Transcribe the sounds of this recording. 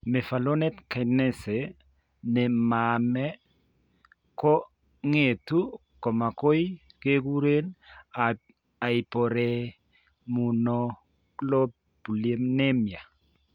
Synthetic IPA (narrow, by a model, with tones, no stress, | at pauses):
me˨fa˨lo˦nɛ˦tka˨nɛ˦se˨ | nɛ˨mamɛ˦ | kɔ˦ | ŋe˨tu˦ | kɔ˨ma˨ko˦j | ke˦ku˦ɾe˦n | a˨i˨po˨ɾe˦ | mu˨nɔ˦ | klo˦ | bu˨le˦mne˦mja˨